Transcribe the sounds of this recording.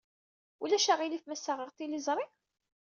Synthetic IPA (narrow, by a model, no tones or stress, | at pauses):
ulæʃaʁilifmæsːaʁəʁt̪ilizˤɾˤi